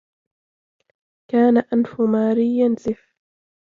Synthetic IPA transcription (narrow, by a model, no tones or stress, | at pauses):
kaːnaʔanfʊmaːɾɪjːansɪf